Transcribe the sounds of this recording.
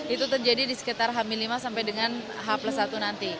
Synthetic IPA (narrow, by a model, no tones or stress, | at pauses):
it̪ut̪ərd͡ʒadidisə̥kit̪arɦamilimasampajdəŋan | ɦapləsat̪unant̪i